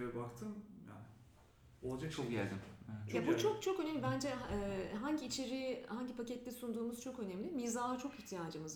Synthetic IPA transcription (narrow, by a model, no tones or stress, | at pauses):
ɛvɛbakt̪ʰɯmja̰ːnɪ | olˠad͡ʒak̚t͡ʃʰokɟæ̰lʲd̪imɛɛjabut͡ʃʰok̚t͡ʃʰo̞kønemlʲibænd͡ʒɛːɦaɲɟiːt͡ʃʰe̞ɾihaɲɟipʰacɛt̪lʲɛsund̪uːmuz̥t͡ʃʰo̞kø̞nɛmlʲimiːzaːat͡ʃʰo̞kiçt̪ʰijaːd͡ʒɯmɯz